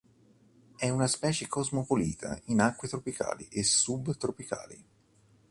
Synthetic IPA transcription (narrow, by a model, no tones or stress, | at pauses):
ɛunaspɛːt͡ʃekozmopoliːt̪ʰa̰inakːwet̪ɾopika̰ːlḭʔesːubt̪ɾopika̰ːlḭ